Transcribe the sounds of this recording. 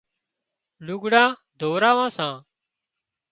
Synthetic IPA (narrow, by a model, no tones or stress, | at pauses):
lʊɡɽãː | d̪ʱoːɾaːʋãːsãː